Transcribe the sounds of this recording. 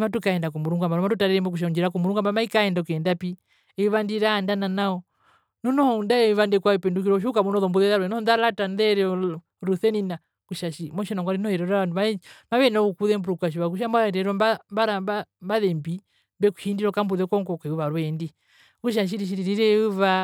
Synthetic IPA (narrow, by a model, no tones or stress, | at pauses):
matukaɛndakɔmuɾuŋɡamaɾɔmatutaɾɛɾɛmbɔk̬uʃ̬auɲd͡ʒiɾak̬ɔmuɾuŋɡambamaikaɛndakɛndapi | ɛuβandiɾaːndananaɔ | nɔnɔhɔundaɛiβandɛkwaɛpɛnduk̬iɾɔʃ̬ukamɔnɔðɔmbuðɛðaɾwɛnɔɔnðalatanðɛɾɛ | ɾuθɛnina | kuʃaʃimɔʃɛnɔŋɡwaɾinɔhɛɾɛɾaanumamaβɛnɔkukuðɛmbuɾukaʃiβak̬uʃambaɛɾɛɾɔmbambaɾabambaðɛmbi | mbɛku̥ʃindiɾɔkambuðɛkɔŋɡɔkɛuβaɾwɛndi | kuʃ̬aʃ̬iɾiʃ̬iɾiɾiɾɛuβa